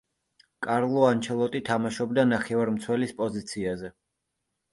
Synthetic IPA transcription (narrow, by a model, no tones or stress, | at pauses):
kʼaɾlˠɔant͡ʃʰɛlˠɔt̪ʼit̪ʰamaʃɔbd̪anaχɛvaɾmt̪sʰwɛlispʼɔzit̪sʰiazɛ